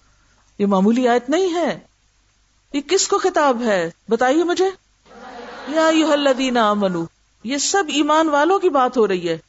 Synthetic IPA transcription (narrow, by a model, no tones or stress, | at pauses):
jeːmaːmuːliaːjət̪nɐɦĩɦɛː | jekɪskoxɪt̪aːbɦɛːbɐt̪aːiemʊd͡ʒʱeː | jaːɐjːʊɦɐlːɐðiːnɐaːmɐnuː | jesɐbiːmaːnʋaːlõkibaːt̪ɦoɾɐɦiɦɛː